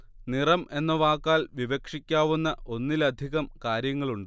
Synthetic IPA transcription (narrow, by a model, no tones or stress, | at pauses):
nirɐme̞nːɐʋaːkːaːlʋiʋɐkʂikʲːaːʋunːɐʔʔo̞nːilɐd̪ʱiɣɐmkaːɾjɐŋːɐɭuɳɖɨ